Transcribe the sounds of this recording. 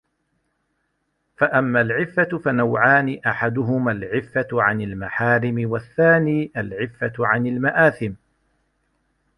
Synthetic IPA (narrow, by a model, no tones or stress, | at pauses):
faʔamːaːlʕɪfːafanawʕaːnɪʔaħad̪ʊɦʊmalʕɪfːaʕanalmaħaːɾɪmɪwaθːaːniːʔalʕɪfːaʕanalmaʔaːθɪm